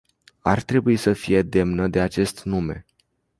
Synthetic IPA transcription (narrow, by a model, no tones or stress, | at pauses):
art̪ɾe̞buisəfije̞d̪e̞mnəd̪e̞at͡ʃe̞st̪nume̞̰